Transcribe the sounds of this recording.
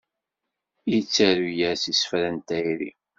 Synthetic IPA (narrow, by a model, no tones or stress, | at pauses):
jt͡sːæɾujæɾsisə̥fɾænt̪æjɾḭ